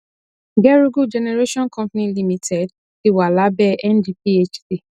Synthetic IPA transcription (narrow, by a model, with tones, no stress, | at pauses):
ɡɛ˦ɹu˦ɡu˦d͡ʒɛ˨nɛ˨ɹe˦ʃɔ̃˦nkʰɔ̃˦mpni˦li˦mi˨tʰɛ˨d | i˨wa˨la˦bɛ˦ʔɛ̃˦ndi˦p̚i˦e˦t͡ʃti˦˨